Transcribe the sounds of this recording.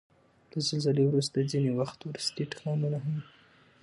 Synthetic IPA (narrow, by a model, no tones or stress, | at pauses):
lazəlzəlewɾus̬t̪ad͡zinewaxt̪wɾust̪eʈḁqɑmunaɦam